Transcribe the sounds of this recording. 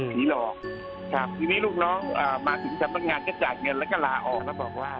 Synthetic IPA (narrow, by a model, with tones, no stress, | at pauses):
sʰiː˨˩˦lɔː˨˩k̚ | kʰa˦˥˩p̚t̪ʰiː˧niː˦˥luː˥˩k̚nɔː˦˥ŋʔəː˨˩maː˧t̪ʰɯ˨˩˦ŋsa˨˧˦mna˧˩t̪̚ŋaː˧nkɔː˧˥˩t͡ɕaː˨˩j̚ŋɤ˧nlɛ˦˥kɔː˥˩laː˧ʔɔː˨˩k̚ːbɔː˨˩waː˥˩